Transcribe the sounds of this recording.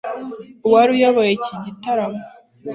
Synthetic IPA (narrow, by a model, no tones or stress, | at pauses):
uwaɾujoβojeciɟitaɾamo